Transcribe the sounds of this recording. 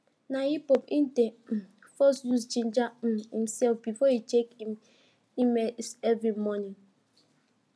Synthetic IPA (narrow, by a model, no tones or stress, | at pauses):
nahipɔpĩnde | fɔsjusd͡ʒĩnd͡ʒahĩmsɛlfbifɔitekĩm | imesɛvɾimɔnĩŋ